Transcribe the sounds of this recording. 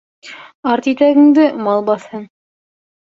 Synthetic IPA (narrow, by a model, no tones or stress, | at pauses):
ɑɾt̪it̪æɡɘ̆ŋd̪ɘmɑlˠbɑθhɤn